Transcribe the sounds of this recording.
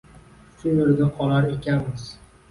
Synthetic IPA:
ʃʊnolɡʲaqʰɒlaɾekʲʰanmɪz̥

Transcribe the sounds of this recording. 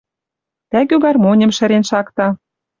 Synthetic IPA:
t̪æɡyɣɑrmonʲə̆mʃɘ̆ɾenʃɑkt̪ɑ

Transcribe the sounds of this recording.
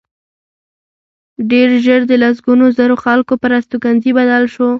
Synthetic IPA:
ɖeɾʒəɾd̪əlas̬ɡunozəɾoxalkopəɾast̪ukanzibad̪alʃo

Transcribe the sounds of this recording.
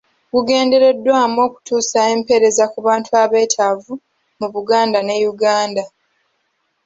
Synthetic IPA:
ɡuɡe̞ːnde̞ɾe̞dːwaːmo̞ːku̥tuːsaempe̞ɾe̞zakuβaːntuaβe̞ːtʰavu | muβuɡaːndane̞juɡaːnda

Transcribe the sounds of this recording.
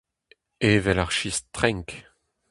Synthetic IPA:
eːvɛlaʁʃist̪χɛ̃ŋk

